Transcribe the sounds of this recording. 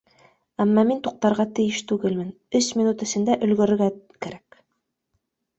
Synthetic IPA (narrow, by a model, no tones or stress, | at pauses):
æmːɑmint̪uq̚t̪ɑɾʁɑt̪ɘ̆jɘʃt̪ʉɡɘlmɘn | ɵsmʲinut̪ɘ̆sɘ̆nd̪æʔɵ̆lɡɵ̆ɾɘ̆ɾɡækæɾæk